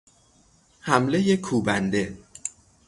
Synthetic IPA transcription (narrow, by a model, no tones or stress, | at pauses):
hæmle̞jekʰuːbænd̪e̞